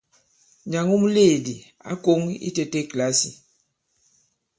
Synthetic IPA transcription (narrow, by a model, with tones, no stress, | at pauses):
ɲa˨ŋu˦mu˦le˦˨di˨ | a̰˦ko˦ŋḭ˦te˦te˦kla˨˦si˨